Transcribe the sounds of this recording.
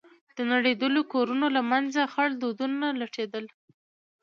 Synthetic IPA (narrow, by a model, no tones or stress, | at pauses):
d̪̥ənaɽed̪əlokoɾunolamanzaxaɭd̪od̪unalaʈʰed̪əl